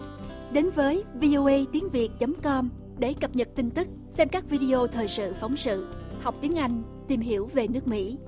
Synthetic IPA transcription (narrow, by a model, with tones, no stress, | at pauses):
ɗe˨˦nvəː˨˦jvi˧ʔo˧ʔə˧jt̪i˨˦əŋvi˨˩ət̚t͡ɕə˨˦mkɔ˧m | ɗe˧˩kə˨˩p̚ɲə˨˩t̚t̪i˧ŋ̟t̪ɨ˦˥k̚sɛ˧mkaː˦˥k̚vi˧ɗi˧ʔo˧t̪ʰəː˨˩jsɨ̰˧˨fa˨˦wŋ͡msɨ̰˧˨ha˨˩wk͡p̚t̪i˨˦əŋʔa˧jŋ̟ | t̪i˨˩mɦi˧˩əwve˨˩nɨ˦˥ək̚mḭ˧˥